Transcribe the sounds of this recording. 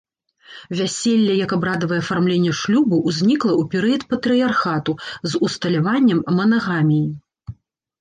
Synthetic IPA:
vʲasʲelʲːɐjɐkabɾad̪ɐvɐjɛɐfarmlʲenʲːɛʂlʲubɨʔuzʲnʲiklˠɐʔupʲɛɾɨjɐt̪pɐt̪ɾɨjarxat̪uzust̪ɐlʲavanʲːɐmːɐnɐɣamʲiji

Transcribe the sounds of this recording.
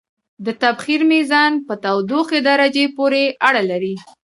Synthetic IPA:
d̪ət̪abxiɾmizɑnpət̪awd̪oxed̪aɾad͡ʒepoɾeaɽalaɾi

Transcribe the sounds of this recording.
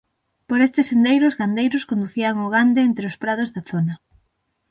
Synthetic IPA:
poɾest̪ɪsend̪ejɾʊzɣand̪ejɾʊskond̪uθiaŋoɣand̪eent̪ɾeospɾað̞ozðɐθonɐ

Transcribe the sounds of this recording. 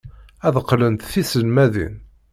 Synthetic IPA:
æðqːlənt̪θisəlmæðḭn

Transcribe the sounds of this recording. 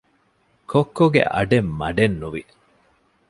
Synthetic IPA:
kʰokːoɡḛʔɐ̰ɖemːɐɖenːuʋi

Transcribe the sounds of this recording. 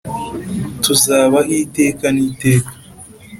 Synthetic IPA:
tuzaːβaʔiːte̞ːkaniːte̞ːkḁ

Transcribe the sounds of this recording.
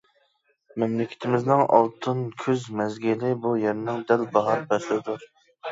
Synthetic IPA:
mɛmlɪkʲʰɪ̥t̪ʰɪmɪznɪŋɑ̰lˠt̪ʰɨnkʲʰøzmɛzɡʲɪlɪbujeɾɪnɪŋd̪ælbɑɦɑɾbɛsld̪uɾ

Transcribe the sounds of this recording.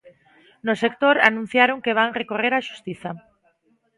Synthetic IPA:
nosekt̪oɾa̰nũn̟θjaɾoŋkeβ̞aŋrekoreɾaʃu̥st̪iθa

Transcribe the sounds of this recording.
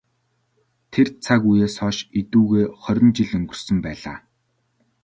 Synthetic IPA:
t̪ʰert͡sʰakujeːsɔːʃit̪uːɣeːχœɾʲɪ̆nt͡ɕiɮɵŋɡɵ̆r̥sɵ̆mpæːɮaː

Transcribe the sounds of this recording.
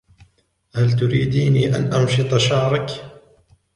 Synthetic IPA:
halt̪ʊɾiːd̪iːniːʔa̰nʔɑnʃɨt̪ˤɑʃɑʕɾˤɑk

